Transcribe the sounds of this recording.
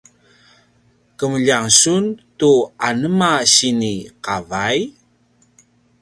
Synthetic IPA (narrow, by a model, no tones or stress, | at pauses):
kəməʎaŋsuntuanəmaɕiniqavaj